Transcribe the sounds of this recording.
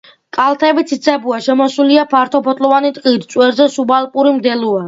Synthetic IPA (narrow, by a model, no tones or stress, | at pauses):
kʼalˠt̪ʰɛbit̪sʰit̪sʰʼɛbuaʃɛmɔsuliapʰaɾt̪ʰɔpʰɔt̪ʼlɔvanit̪ʼqʼid̪t̪sʼwɛɾzɛsubalˠpʼuɾimd̪ɛlua